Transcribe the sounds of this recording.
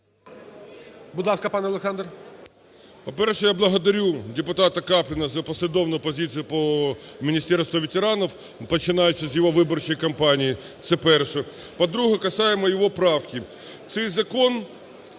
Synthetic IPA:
bʊd̪lˠɑskɐpɑnɛɐlˠeksɑnd̪r | pɔpɛrʃɛjablˠɐɦɔd̪ɐɾʲudʲɪpʊt̪ɑt̪ɐkɑplʲɪnɐzɐpɔsʲlʲɪd̪ɔwnʊjʊpɔzʲit͡sʲijʊpɔmʲinʲist̪ɛrst̪ʋɔʋʲetʲeɾɑnɔw | pɔt͡ʃɪnɑjʊt͡ʃɪzʲjɔɦɔʋɪbɔrt͡ʃɔjikɐmpɑnʲijit̪sɛpɛrʃɛ | pɐd̪ɾuɦɛkɐsɑjemɔjɔʋɔpɾɑwkʲɪ | t̪sɛjzɐkɔn

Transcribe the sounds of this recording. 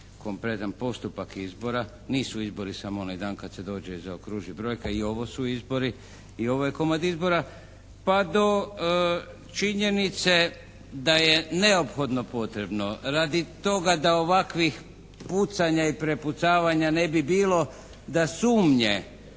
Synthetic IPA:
ko̞mpɾe̞t̪anpo̞st̪upakizbo̞ɾa | niːsuizbo̞ɾisamoonajd̪aːnkad̪se̞d̪o̞ːd͡ʒezaokɾuːʒibɾo̞jkaio̞ʋo̞suizbo̞ɾiː | o̞ʋojeko̞mad̪izbo̞ɾa | pad̪o̞ | t͡ʃiɲe̞nit̪se̞ | d̪aje̞ne̞o̞pxo̞d̪no̞po̞t̪ɾe̞bno̞ɾad̪it̪o̞ɡad̪aoʋakʋix | put̪saɲaipɾe̞put̪saːʋaɲane̞bibiːlo̞ | d̪asuːmɲe

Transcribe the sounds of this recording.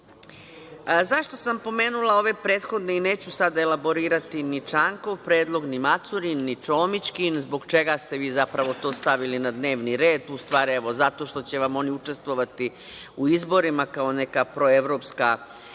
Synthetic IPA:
zaʃt̪o̞sampo̞me̞ːnulˠao̞ʋe̞pɾe̞ːt̪xo̞d̪ne̞ine̞ːt͡ɕusad̪aelabo̞ɾiːɾat̪init͡ʂaːŋko̞ʋpɾe̞ːd̪lˠo̞ɡnimat̪suɾinːit͡ʃoːmit͡ɕkinzbo̞ɡt͡ʃe̞ɡast̪eʋiːzapɾaʋo̞t̪o̞ːst̪aʋilinad̪ne̞ːʋniɾe̞ːd̪ust̪ʋaːɾieʋo̞zat̪o̞ʃt̪o̞t͡ɕe̞ʋamo̞niut͡ʂest̪ʋo̞ʋat̪i | uizbo̞ɾimakao̞ne̞kapɾo̞eʋɾo̞ːpska

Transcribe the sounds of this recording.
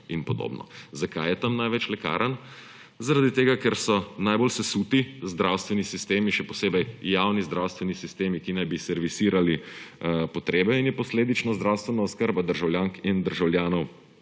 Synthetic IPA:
inpɔd̪o̰bnɔ̰zakajɛt̪amnajʋɛt͡ʃlɛka̰ːɾʔən | zaɾad̪it̪eːɡakɛɾsɔnajbolsɛsuːt̪izd̪ɾawst̪ʋɛnisist̪eːmiʃɛpɔseːbɛjjawnizd̪ɾawst̪ʋɛnisist̪eːmikinajbisɛɾʋisiːɾali | pɔt̪ɾeːbɛinjɛpɔsleːd̪it͡ʃnɔzd̪ɾawst̪ʋɛnaɔskəɾbad̪əɾʒawljaːŋkind̪əɾʒawljaːnɔw

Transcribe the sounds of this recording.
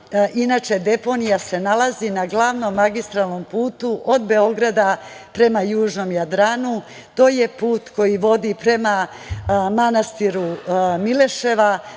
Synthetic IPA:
ʔinaːt͡ʃe̞d̪e̞po̞nijase̞nalazinaɡlˠaʋno̞mːaɡist̪ɾalˠno̞mpuːt̪uʔod̪be̞o̞ɡɾad̪apɾe̞majuːʒno̞mjad̪ɾaːnu | t̪o̞jepuːt̪ko̞jiʋo̞d̪ipɾe̞ma | manast̪iɾumile̞ʃe̞ʋa

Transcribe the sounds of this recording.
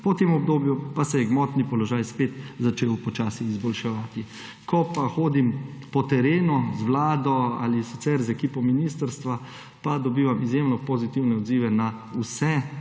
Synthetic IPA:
pɔt̪emɔbd̪oːbjupasɛjɛɡmɔt̪nipɔlɔʒaːjspet̪zat͡ʃeːwpɔt͡ʃaːsiːzbɔlʃɛʋaːt̪i | kɔpaxoːd̪impɔt̪ɛɾeːnɔzʋlaːd̪ɔa̰lisi̥t̪sɛɾzɛkiːpɔminiːst̪əɾst̪ʋa | pad̪ɔbiːʋamizjemnɔpɔzit̪iwnɛɔd̪ziːʋɛna | usɛ

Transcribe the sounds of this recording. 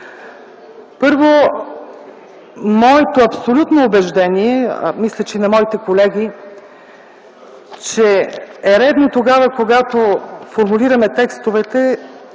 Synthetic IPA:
pɤɾvo | mɔɛt̪oɐpsolʲut̪noːbɛʒd̪ɛniɛ̰mislʲɐt͡ʃɛinɐmɔit̪ɛkolɛɡʲi | t͡ʃɛɛɾɛd̪not̪oɡavəkoɡat̪ofoɾmuliɾɐmɛt̪ɛkst̪ovɛt̪ɛ

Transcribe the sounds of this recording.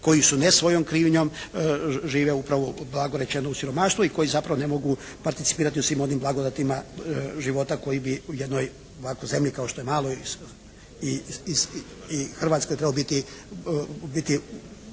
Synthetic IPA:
ko̞jisunesʋo̞jomkɾiːʋɲo̞m | ʒiːʋeupɾaʋoblˠaɡoɾe̞t͡ʃe̞nousiɾo̞maʃt̪ʋuiko̞jizapɾaʋo̞nemo̞ɡu | paɾt̪it̪si̥piːɾat̪iusʋiːmo̞nimblˠaɡod̪at̪imaʒiʋo̞t̪ako̞jibiujed̪no̞j | oʋakojze̞mʎikaoʃt̪o̞je̞maːlˠoi | ii | ixr̩ʋat̪skojt̪ɾe̞balobit̪i | bit̪i

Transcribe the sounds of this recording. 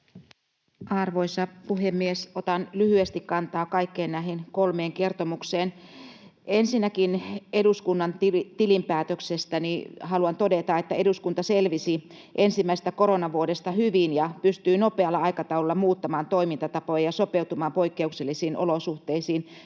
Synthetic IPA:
ʔɑrʋoisɑpuhemːiesot̪ɑnlyhyest̪ikkɑnt̪ɑːkɑikːeːnnæɦenkolmeːŋke̞rt̪omukseːn | ʔensinːækineduskunːɑnit̪ilimpæːt̪øksest̪ænihɑluɑnt̪o̞det̪ɑet̪ːæeduskunt̪ɑselʋisi | ʔensimːæise̥s̆t̪æko̞ɾonɑʋuodest̪ɑhyʋinjɑpyst̪yːnopeɑlːɑɑikɑt̪ɑululːɑmuːt̪ːɑmɑːnt̪o̞imint̪ɑt̪ɑpojɑjɑsopeut̪umɑːmpo̞ikːeukselːisiːnʔo̰losuht̪eisiːn

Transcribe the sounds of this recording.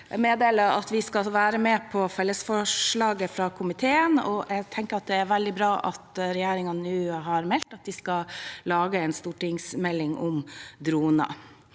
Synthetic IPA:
meːd̪eːləɾɑ̰t̪ʋɪskɑʋæːɾəmɛpʰɔfɛlːəsfɔʂɭɑːɡəfɾɑkʰʊmɪt̪ʰeːənɔ̰ʔɛɡt̪ʰɛŋkəɾɑt̪̚d̪ɛæɾʋæld̪ɪbɾɑːʔɑt̪ɾɛjeːɾɪŋɑnnʉːɦɑɾmɛlt̪ɑt̪̚d̪ɪskɑlɑːɡəɛːnst̪uːʈɪŋsmɛlːɪŋʔʊmd̪ɾuːnɑ̰

